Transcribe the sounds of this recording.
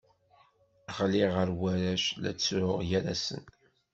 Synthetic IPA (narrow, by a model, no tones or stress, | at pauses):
χliʁəɾwæɾæʃlæ̰t͡sːʊʁjæɾæsə̰n